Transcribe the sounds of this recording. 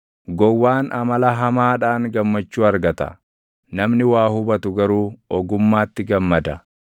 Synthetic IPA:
ɡɔwːaːnʔɐmɐlɐɦɐmaːᶑaːŋɡɐmːɐt͡ʃːuːɐɾɡɐt̪ɐ̰ | nɐmnɪwaːhʊbɐt̪ʊɡɐɾuːɔɡʊmːaːt̪ːɪɡɐmːɐd̪ɐ

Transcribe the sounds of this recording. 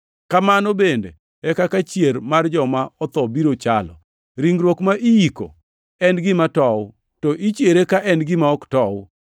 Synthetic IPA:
kamanɔbendḛ | ɛkakat͡ʃjermard͡ʒɔmaɔt̪ɔbiɾot͡ʃalɔ̰ | ɾiŋɡɾwokmaʔijiko̰ | ɛnɡɪmatɔwʊ | tɔʔit͡ʃjeɾekaʔɛnɡɪmaɔktɔʊ

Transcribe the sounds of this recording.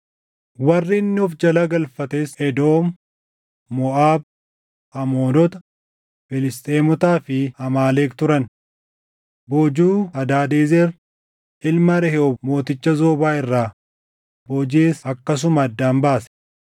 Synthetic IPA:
wɐrːɪnːɪɔfd͡ʒɐlɐɡɐlfɐt̪eːsɛd̪oːmː | ɔʔaːb̚ | ɐmo̞ːnɔt̪ɐ | fɪlɪst̪ʼeːmɔt̪aːfɪhɐmaːleːkt̪ʊɾɐn | boːd͡ʒuːɐd̪aːd̪eːzɛɾ | ʔɪlmɐɾɛhɛɔmo̞ːt̪ɪt͡ʃːɐzo̞ːbaːɪrːaː | boːd͡ʒeːsɐkːɐs̬ʊmɐːd̪ːaːmbaːsɛ̥

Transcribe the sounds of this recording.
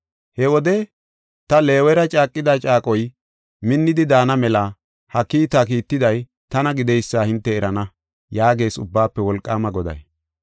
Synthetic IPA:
hɛwɔd̪ɛ | t̪ɐle̞ːwɛɾɐt͡ʃʼaːkʼːɪd̪at͡ʃʼaːkʼɔj | mɪnːɪd̪ɪd̪aːnɐmɛlɐ | hɐkːiːt̪akiːt̪ːɪd̪ɐj | t̪ɐnɐɡɪd̪ɛjsːaːhɪnt̪ːɛːɾɐnɐ | jaːɡe̞ːsʊbːaːpːɛwɔlkʼːaːmɐɡɔd̪ɐ̰j

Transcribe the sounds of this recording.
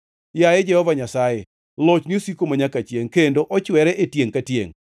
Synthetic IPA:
jajed͡ʒɛhɔvaɲasaje | lot͡ʃniosikomaɲakat͡ʃjeŋkendoʔɔt͡ʃwɛɾɛʔetjeŋkatjḛŋ

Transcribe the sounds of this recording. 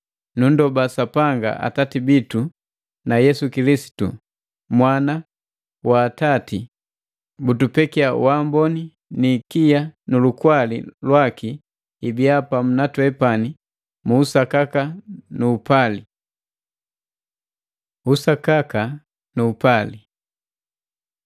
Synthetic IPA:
nundɔbasapaŋɡa̰ʔa̰tatibitu | najɛsukilisi̥tṵ | mwana | waːtati | butupɛkiawambɔni | nikijanulukwalḭlwakiː | biapam̩natwɛpani | muːsakakanuːpali | usakaka | nuːpali

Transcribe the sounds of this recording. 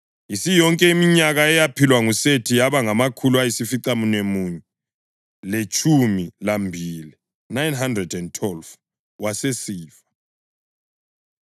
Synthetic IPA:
isijɔŋkʼɛimiɲaɣaɛjapʰilwaŋusetʰijaβaŋamakʰuluajisifiǀamunemuːɲɛ | let͡ʃʼʰumilambʱiːli | najnɦandrɛdɛntʰwɛlv | wasesiːfḁ

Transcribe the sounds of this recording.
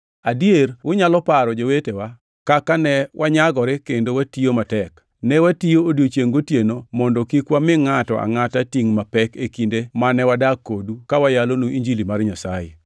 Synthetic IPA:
adierwʊɲalɔpaɾɔd͡ʒowetewa | kakanɛwʔaɲaɡɔɾɪkendowatiomatɛk | nɛwatijoodjot͡ʃjeŋɡotjenomɔndɔkikwamɪŋatɔ̰ʔa̰ŋatatiŋmapɛkekindemanɛwadakːodukawajalonuiɲd͡ʒilimarɲasajḛ

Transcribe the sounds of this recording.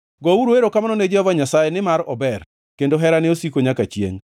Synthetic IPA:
ɡɔuɾoeɾokamanɔned͡ʒɛɔvaɲasajenɪmaɾɔbɛr | kendoɦɛɾanɛosikoɲakat͡ʃjḛŋ

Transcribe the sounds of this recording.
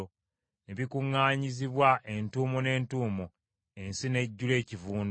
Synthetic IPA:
o | neβikuŋːaːɲiziβwaʔentuːmone̞ːntuːmo | e̞nsine̞ɟːule̞ːcivuːn

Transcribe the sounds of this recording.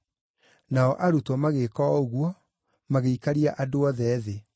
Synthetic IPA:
naɔʔaɾutwɔmaɣekɔoɣwɔ | maɣeikaɾiaʔadoɔðɛːðe

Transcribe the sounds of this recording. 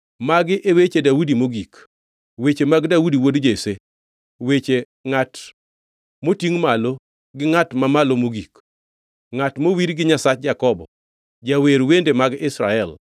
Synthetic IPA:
maɡɪʔewet͡ʃedaudimoɡik | wet͡ʃemaɡdaudiwodd͡ʒese | wet͡ʃe | ŋat | motiŋmalo | ɡɪŋatmamalomoɡik | ŋatmowiɾɡɪɲasat͡ʃ̚d͡ʒakɔbɔ̰ | d͡ʒaweɾwendemaɡɪsɾa̰ɛl

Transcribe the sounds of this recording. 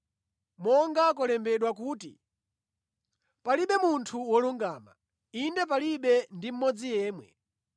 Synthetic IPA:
mɔŋɡak̬ɔlɛmbɛɗwak̬uːtḭ | paliɓɛmuntʰuwɔluŋɡaːma̰ | indɛp̬aliɓɛndim̩mɔd͡zijɛːmwɛ̰

